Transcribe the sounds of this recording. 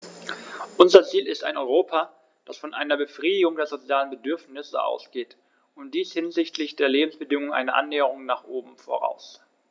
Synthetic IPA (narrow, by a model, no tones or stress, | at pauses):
ʔʊnzɐt͡siːlɪsta̰ɪnʔɔʏʁoːpʰa | d̥asfɔnʔa̰ɪnɐbəfʁ̥iːdɪɡʊŋdeːɐzot͡sjaːlənbədʏɐfnɪsə̰ʔa̰ʊsɡ̥eːt | ʊnt̚d̥iːshɪnzɪçtʰlɪçd̥eːɐleːbm̩sb̥ədɪŋʊŋʔa̰ɪnəʔa̰nːɛːəʁ̞ʊŋnaːχʔoːbm̩fo̰ʁa̰ʊs